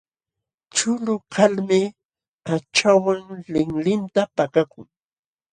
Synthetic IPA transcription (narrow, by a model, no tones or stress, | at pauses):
t͡ʃʊlʊkʰalmɪ | at͡ʃawaŋlɪŋlɪnt̪apakakʊŋ